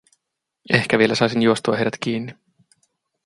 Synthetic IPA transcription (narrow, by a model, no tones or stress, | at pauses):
ehkæʋie̞læsɑˑjsinjuost̪uɑ̰hejɾæt̪kiːnːi